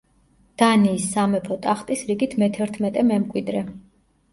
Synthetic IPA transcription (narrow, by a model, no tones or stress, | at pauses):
d̪̥aniːsːamɛpʰɔt̪ʼaχt̪ʼisɾiɡit̪ʰmɛt̪ʰɛɾt̪ʰmɛt̪ʼɛmɛmkʼwid̪ɾɛ